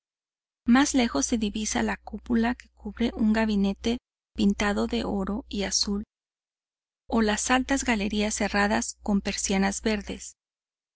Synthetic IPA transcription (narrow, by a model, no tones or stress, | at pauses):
mazle̞xo̞sːe̞ðiβisalakupulake̞̥kuβɾe̞ʔuŋɡaβine̞t̪e̞ | pint̪aðo̞ðe̞ʔo̞ɾo̞iasul | o̞lasalt̪azɣale̞ɾiasːe̞raðasko̞mpe̞ɾsjanazβe̞ɾðe̞̰s